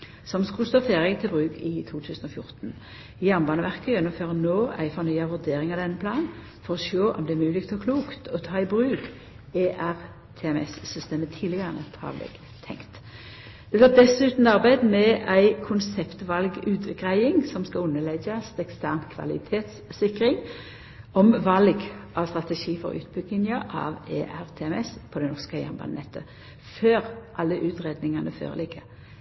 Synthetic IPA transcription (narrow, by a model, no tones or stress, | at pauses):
sɔmskʉlst̪oːfeːʁɛɡt̪ʰɪlbʁʉːkʰɪt̪ʰuːt̪ʰʉːsənɔfjʊʁt̪n̩ | ɪjæʁnbɑːnəʋæʁkəjɛnːʊmføːʁənoːæ̰ɪfɔnyʏɑʋʉʁd̪eːʁɪŋɑʋd̪ɛnːəpʰlɑːn | fɔʁɔʃoːʔɔ̰md̪ɛːmʉːlɪɡt̪ʰɔkʰluːkt̪ʰɔt̪ʰɑːɪbʁʉːk | eʔæʁ | t̪ʰeɛmɛ̰sːʏst̪eːmət̪ʰiːlɪɡɑʁnə̰t̪hɑ̰ʋlɛ̰ɡ̥ | t̪ʰɛ̰ŋkt̪ | d̪̥ɛɡ̪oːd̪ɛsʉːt̪n̩ɑʁbæɪd̪mɛʔæɪkʰʊnsɛpt̪ʋɑlɡʉːt̪ɡʁæɪɪŋsɔmskɑʊnːəlɛɡəst̪ɛkst̪æʁnkʰʋɑ̰lɪt̪ʰeːt̪sːɪkʁɪŋ | ɔmʋɑlɡʔɑʋst̪ʁɑt̪ɛʃiːfɔ̰ʁʉ̰ːt̪̚bʏɡ̪ɪŋəʔɑ̰ʋeːʔæʁt̪ʰeɛmɛspʰɔd̪ɛnɔʁskəjæ̰nbɑ̰nɛt̪ʰə | føːʁʔɑlːəʔʉːt̪ʁeːd̪nɪŋɑnʔəfø̰ːʁə̰lɪɡə